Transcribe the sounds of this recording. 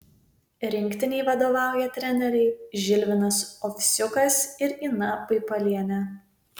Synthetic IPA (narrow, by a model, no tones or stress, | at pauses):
ɾʲɪŋʲkʲt̪ʲɪnʲɛɪʋɐd̪oːʋɑˑʊjɛt̪ʲɾʲɛnʲɛɾʲɛɪʒʲɪlʲʋʲɪnɐsɔfʲsʲʊkɐsɪɾiːnɐpɐɪpɐlʲiɛnʲɛ